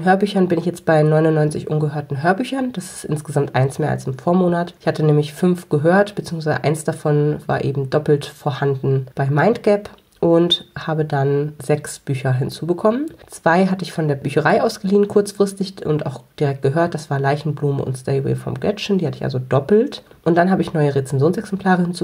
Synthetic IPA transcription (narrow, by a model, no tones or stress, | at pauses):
nɦøːɐbyːçɐnbɪnɪçjɛt͡st̚b̥aɪnɔʏnʊnːɔʏnt͡sɪçʔʊnɡəɦøːɐtn̩ɦøːɐbyːçɐnd̥asɪ̥stʔɪ̰nsɡ̥əzamtʔaɪnsmeːɐʔa̰lsɪmfoːɐmoːnatʔɪçhatənɛːmlɪçfʏnfɡ̥əɦøːɐtb̥ət͡siːʊŋs̬vaɪə̰ʔaɪnsd̥afɔnva̰ːɐʔḛːbm̩dɔpl̩tfoːɐhandn̩b̥aɪmaɪntɡ̥ɛp | ʔʊnthaːbədanzɛksb̥yːçɐɦɪnt͡suːbəkʰɔmənt͡sv̥aɪɦatəɪçfɔndeːɐbyːçɐʁaɪʔaʊsɡ̥əliːənkʰʊɐt͡sfʁ̥ɪstɪçʊntʔa̰ʊxd̥iʁɛk̚t̚ɡ̥əɦøːɐt̚d̥asv̥aːɐlaɪçn̩bluːmə̰ʊ̰ntstaɪɛ̰ɪfɔ̰mɡlɛt͡ʃn̩diːha̰təɪçʔa̰lzodɔpl̩t | ʔʊnt̚d̥anɦaːbəɪçnɔʏəʁet͡sɛnzjoːnsɛksɛmpʰl̥aːʁ̞əhɪnt͡suː